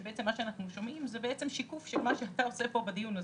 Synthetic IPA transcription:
beet͡semːaʃeanaχnuʃo̞mimzebeet͡se̞mʃikufʃelmaʃeataose̞po̞bad̪ijuna

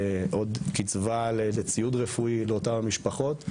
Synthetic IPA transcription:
ʔo̞d̪kit͡svalelet͡sijudʁefuileotavamiʃpaχo̞t

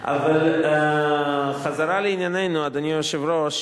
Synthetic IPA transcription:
a̰val | χazaɾaleinjanejnuad̪anioʃevɾoʃ

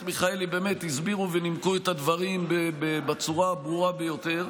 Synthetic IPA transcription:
miχaelibe̞ːme̞t̪izbiʁuvenimkuet̪ad̪vaʁimbebebet͡suʁabʁuʁabejo̞t̪e̞ʁ

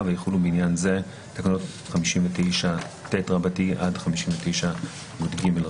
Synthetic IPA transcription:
vejeχulubeinjanze̞ | takonot | χamiʃimvetejʃa | tetʁabatiʔadχamiʃimvetejʃa | modɡimel

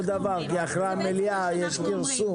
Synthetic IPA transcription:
d̪avaʁkiaχʁaameliajeʃkiʁsu

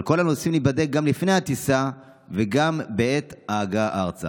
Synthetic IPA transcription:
lko̞lanosimlibad̪ek̚ɡamlifnejhat̪isa | veɡambeet̪aaɡaʔaʁt͡sa̰

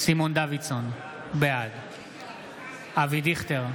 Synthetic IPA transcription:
simond̪avison | bead̪ | avid̪iχt̪eʁ

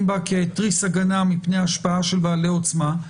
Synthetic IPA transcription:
mbakeːtʁisaɡanamipnejaːʃpaaʃe̞lbaːleo̞t͡sma

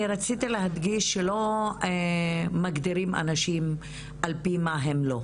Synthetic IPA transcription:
iɾat͡sit̪ileɦad̪ɡiʃːelo̞ | maɡd̪iɾima̰naʃim | ʔalpimaɦemlo̞

